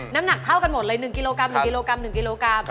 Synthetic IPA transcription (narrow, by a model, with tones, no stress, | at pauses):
naː˦˥mna˨˩k̚t̪ʰa˥˩wka˧nmo˨˩t̪̚lɤː˧˦jnɯ˨˩ŋki˧loː˧kɾa˧mnɯ˨˩˧ki˧loː˧kɾa˧mnɯ˨˩ŋki˧loː˧kɾa˧m